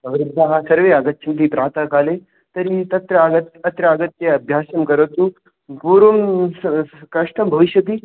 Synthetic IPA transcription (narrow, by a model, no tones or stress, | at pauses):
ɐʋiɾud̪ʱːaɦasɐɾʋeːaɡɐt̪ːt͡ʃʰɐnt̪̬iːpɾaːt̪akaːle | t̪ɐɾit̪ɐt̪ɾɐaɡɐt̪ɐt̪ɾɐaːɡɐt̪jeɐbʱjaːsɐmkɐɾɐt̪u | puːɾʋɐm | kɐʂʈɐmbʱɐʋiʃjɐt̪iː